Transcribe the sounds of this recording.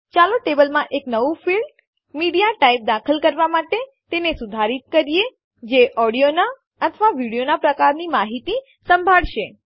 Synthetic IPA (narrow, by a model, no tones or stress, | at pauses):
t͡ʃaloʈebəlmãʔeknəʋufiɭɖ | miɽijaʈaip̚d̪akʰəlkəɾʋamaʈe | t̪enesud̪ʱaɾit̪kəɾije | d͡ʒeʔɔɽijona | ət̪ʰəʋaʋiɽijonapɾəkaɾnimaɦit̪i | səmbʱaɭʃe